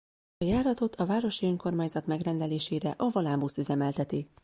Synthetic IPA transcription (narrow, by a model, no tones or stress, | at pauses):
ɒjaːɾɒt̪o̞t̪ʰɒvaːɾo̞ʃiøŋko̞rmaːɲzɒt̪mɛɡrɛnd̪ɛleːʃeːɾɛʔɒvolaːmbusyzɛmɛlt̪ɛt̪i